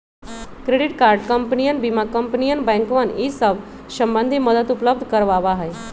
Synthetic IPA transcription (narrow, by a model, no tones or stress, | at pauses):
kɾeɽiʈkaɾɖkəmpnijənbimakəmpnijənbɛ̃ŋkʋənisəʋ | səmbənd̪ʱiməd̪ət̪upləb̚d̪ʱkəɾʋaʋaɦəj